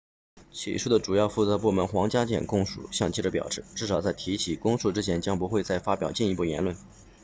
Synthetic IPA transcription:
t͡ɕʰḭ˨˩ʂu˥˩d̪ə˩ʈ͡ʂu˨˩jɑ˥˧ʊfu˥˩t͡sɤ˧˥pu˥˩mə˧˥nxwɑ˧˥ŋt͡ɕja˥t͡ɕjɛ̰˨˩nkʊ˥˩ŋʂṵ˨˩˦ɕjɑ˥˧ŋt͡ɕi˥˩ʈ͡ʂə˧˥pjɑ̰˨˩ʊʂɻ̩˥˧ʈ͡ʂɻ̩˥˩ʂ̬ɑ˨˩ʊt͡sa˥˩ɪt̪ʰi˧˥t͡ɕʰi˨˩kʊ˥ŋsu˥˩ʈ͡ʂɻ̩˥t͡ɕʰjɛ˧˥nt͡ɕjɑ˥ŋpu˧˥xwe˥˧ɪt͡sa˥˩ɪfa˥pjɑ˨˩ʊt͡ɕi˥˩ni˧˥pu˥˩jɛ̰˧˥nlwə˥˩n

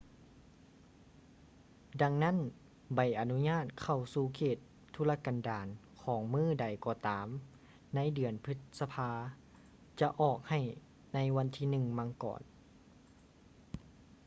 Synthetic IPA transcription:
da˧ŋna˥˨n | ba˨˩jʔa˨nu˧˥ɲaː˥˨t̪̚kʰa˧˩wsuː˧˩kʰeː˧˨˩t̪ʰːu˧˥la˧kaː˨ndaː˨nkʰɔː˩˦ŋmɯː˧˥˩da˨˩jkɔː˧˩t̪aː˨˦m | na˧˥˨jdɯ˨˩ənpʰɯ˧˥t̪̚sa˧pʰaː˧ | t͡ɕa˧ʔɔː˨˩k̚ha˧˩j | na˧˥jwa˧˥nt̪ʰiː˧˨nɯ˧˨ŋma˧˥ŋkɔ̰ː˨˩n

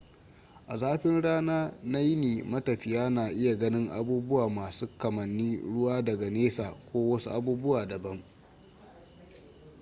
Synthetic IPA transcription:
ʔa˨zaː˦ɸɪ˦nɽaː˦naː˦na˦jɪ˦neː˨mɐ˦tɐ˨ɸɪ˨jaː˦naː˨ʔɪ˦ja˨ɡɐ˦nɪ˦ŋʔa̰˦buː˦bʊ˦waː˨maː˨suː˦kɐ˨mɐ˨nːiː˦ɽʊ˦waː˦dɐ˨ɡa˨neː˦saː˨kʷoː˦wɐ˦su˦ʔa˦buː˦bʊ˦waː˨dɐ˨bɐ˦m

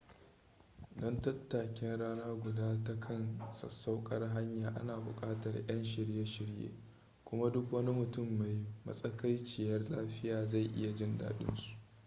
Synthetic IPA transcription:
dɐ˦ntɐ˦tːaː˨kʲɪ˦nɽaː˦naː˦ɡʷʊ˨daː˦tɐ˦kʰɐ˦nsɐ̰˨sːa˦wkʼɐ˦rɦa˦ɲjaː˨ʔa̰˦naː˨bʊ̰˨kʼaː˦tɐ˨rjɐ˦nʃɪ˨ɽje˦ʃɪ˨ɽjḛː˦ | kʷʊ˦ma˦dʊ˦kwɐ˦ni˦mʊ˨tʊ˦˨mːa˨jmɐ̰˦sʼɐ˦ka˦jt͡ʃɪ˨jɐ˦rlaː˦ɸɪ˦jaː˨za˦˨jʔɪ˦ja˨d͡ʒɪ˦nda̰ː˨ɗɪ̰˦nsu̥˨ʔ

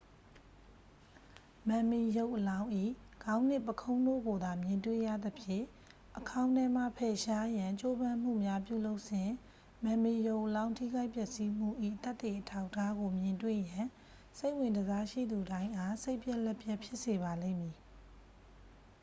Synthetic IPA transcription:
mã˨mi˨jo˦ʊʔəlã˦ʊ̃ʔḭ˦˨ɡ̥ã˦ʊ̃n̥ɪ˦˨pəkʰõ˦ʊ̃ndo̰˦˨ɡo˨d̪a˨mjɪ̃˨ntwḛ˦˨ja̰˦˨d̪ə˨pʰjɪ̰̃˦˨ | ʔəkʰã˦ʊ̃ntɛ˦m̥a̰˦˨pʰɛ˨ʃa˦jã˨t͡ɕo˦bã˦m̥ṵ˦˨mja˦pjṵ˦˨lo˦ʊʔsɪ̃˨ | mã˨mi˨jo˦ʊʔəlã˦ʊ̃ntʰḭ˦˨ɡa˦ɪʔpjɛ˦˨ʔsi˦m̥ṵ˦˨ʔḭ˦˨t̪t̪ːe˨ʔətʰa˦ʊʔtʰa˦ɡo˨mjɪ̃˨ntwḛ˦˨jã˨ | se˦ɪʔwɪ̃˨ndəza˦ʃḭ˦˨d̪u˨ɾã˦ɪ̃ʔa˦˨se˦ɪpjɛ˦ʔlɛ˦pʰjɛ˦ʔpʰjɪ˦ʔse˨βa˨lḛ̃˦˨mji˨

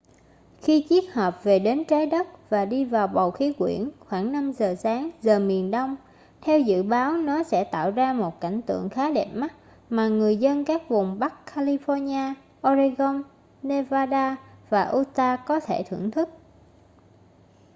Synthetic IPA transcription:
xi˧t͡ɕi˦˥ək̚həː˨˩p̚ve˨˩ɗe˨˦nt͡ɕaː˨˦jɗə˦˥t̚vaː˨˩ɗi˧vaː˨˩wɓə˨˩wxi˨˦kwḭ˧˩ənxwaː˧˩ŋna˧mzəː˨˩saː˨˦ŋzəː˨˩mi˨˩ənɗə˧wŋ͡m | t̪ʰɛ˧wzɨ̰˧˨ɓaː˨˦wnɔ˨˦sɛ̰˧˥t̪a̰ː˧˨wzaː˧mo˨˩t̚ka̰˧˩jŋ̟t̪ɨ̰˧˨əŋxaː˨˦ɗɛ˨˩p̚ma˦˥t̚ | maː˨˩ŋɨ˨˩əjzə˧nkaː˦˥k̚vʊ˨˩ŋ͡mɓa˦˥kkʰːaː˧li˧fɔ˧ɲaː˧ | ʔɔ˧zi˧ɣɔ˧n | ne˧vaː˧ɗaː˧vaː˨˩ʔu˧t̪aː˧kɔ˨˦t̪ʰe˧˩t̪ʰɨ̰˧˩əŋt̪ʰɨ˦˥k̚

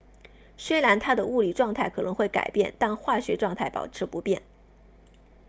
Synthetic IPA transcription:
swe˥ɪla˧˥nt̪ʰa˥d̪ə˨u˥˩li˨˩ʈ͡ʂwɑ˥˧ŋt̪ʰa˥˩ɪkʰɤ˨˩nɤ˧˥ŋxwe˥˩ɪka̰˨˩ɪpjɛ̰˥˧nt̪a˥˧nxwa˥˩ɕɥɛ˧˥ʈ͡ʂwɑ˥˧ŋt̪ʰa˥˩ɪpɑ̰˨˩ʊʈ͡ʂʰɻ̩˧˥pu˧˥pjɛ̰˥˩n

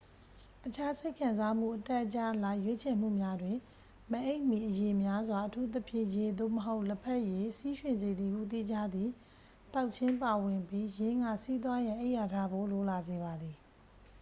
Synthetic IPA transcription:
ʔət͡ɕʰa˦se˦ɪkʰã˨nza˦m̥ṵ˦˨ʔətɛ˦ʔət͡ɕa˦˨ʔla˦˨jwe˦t͡ɕʰɛ˨m̥ṵ˦˨mja˦dwɪ̃˨ | mə˨ʔe˦ɪʔmi˨ʔəje˨mja˦zwa˨ʔətʰu˦t̪̬ə˦pʰjɪ̰̃˦˨je˨d̪o̰˦˨məɦo˦ʊʔlə˦pʰɛ˦ʔje˨si˦ʃwɪ̃˨nze˨d̪ði˨ɡṵ˦˨t̪̬ḭ˦˨d͡ʑa˦d̪ði˨ | t̪a˦ʊʔt͡ɕʰɪ̃˦mpa˨wɪ̃˨mpji˦jɪ̃˦ŋɡa̰˦˨si˦t̪̬wa˦jã˨ʔe˦ɪʔja˨tʰa̰˦˨bo˦˨lo˨la˨ze˨βa˨d̪ði˨

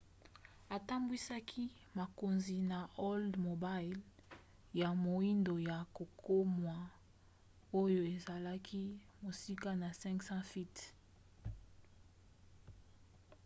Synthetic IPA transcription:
a˨ta˦mbwi˦sa˦kʰi˦ | ma˨ko˨nzi˨na˨ʔo˦ldmo˨ba˦jl | ja˨mo˨i˦ndo˨ja˨ko˨ko˦mwa˨ | o˦jo˦e˨za˨la˦kʰi˦ | mo˨si˦ka˦na˨sɛ̃˦ŋksã˦fi˦t

